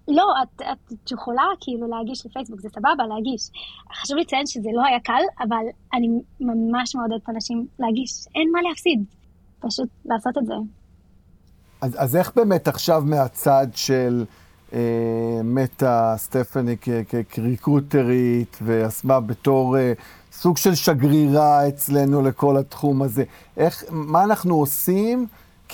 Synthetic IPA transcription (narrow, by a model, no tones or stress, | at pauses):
lo̞at̪at̪jeχolakʰiiluleaɡiʃlefejsbukzesababalehaɡiʃχaʃuvlit͡sajenʃezelo̞hajakalavalanimamaʃmeod̪ed̪etanaʃimlehaɡiʃʔenmalehafsid̪ | paʃut̚laːso̞t̪etze | azaze̞χbeːmetaχʃavmeat͡sadʃe̞l | eme̞tast̪efanikekekʁikʁute̞ʁit̪veasmabe̞to̞ʁe | suɡʃe̞lʃaɡʁiʁaet͡sle̞nule̞ko̞latχumaze̞ | ʔeχmaːnaχnuosim | k